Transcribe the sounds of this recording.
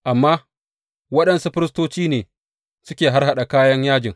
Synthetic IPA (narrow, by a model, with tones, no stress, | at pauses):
ʔa˨mːaː˦ | wɐ˦ɗɐ˨nsu˦ɸɪ˦ɾɪ˦stoː˦t͡ʃiː˦neː˨ | sʊ˦kʲeː˨ɦa˦rha˨ɗa˨kaː˦jɐ˦ɲjaː˦d͡ʒɪ˨ŋ